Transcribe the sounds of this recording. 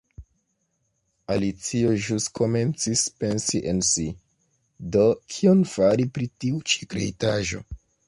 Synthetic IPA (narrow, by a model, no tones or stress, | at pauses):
alit͡sio̞ʒuskʰo̞me̞nt͡sispe̞nsiʔensi | do̞kʰio̞nfaɾipɾitiut͡ʃi̥kɾe̞̰jtaʒo̞̰